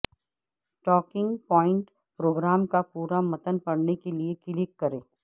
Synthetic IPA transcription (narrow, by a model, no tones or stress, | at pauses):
ʈɔːkɪ̃ŋɡpɔːɪ̃ɳʈ | pɾoːɡɾaːmkapuːɾamɐt̪ənpɐɽnekeliekɪlɪkːɐɾẽː